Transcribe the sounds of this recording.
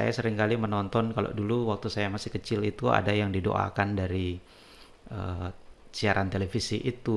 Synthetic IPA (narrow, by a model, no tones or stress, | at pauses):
sa̰jasəɾɪŋkalimənɔnt̪ɔnkalo̰duluwak̚t̪usajamasɪhkət͡ʃɪlit̪ua̰dajaŋdido̰ʔa̰kandaɾi | əsiaɾant̪elefisiʔit̪u